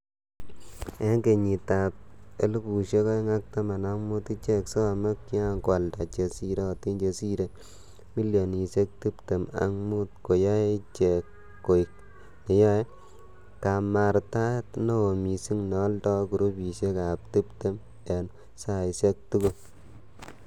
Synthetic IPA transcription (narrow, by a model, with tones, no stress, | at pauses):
e˦ŋke˨ɲi˨ta˨p̚e˦lu˦pu˨ʃe˦kɔ˦ŋa˦k̚ta˦ma˨na˦ŋmu˦ti˦t͡ʃe˦kso˦˨me˦kːi˦a˦kwa˨lta˨t͡ʃe˨si˦ɾe˦˨ti˦nt͡ʃe˨si˦ɾe˦ | mi˦ljo˨ni˨se˦k̚tu˦pte˨ma̰˦ŋmu˦t̚ko˨ja˦t͡ʃe˨kː | o˨i˨k̚ | ne˨ja˦j | ka˨ma˨ɾta˦tno˦o˨mi˨si˦ŋnɔ˨˦ltɔ˦ku˨ɾu˦pi˨ʃe˦ka˨p̚tu˦pte˦m | e˨n | sa˦˨i˨se˦k̚tu˦ku˦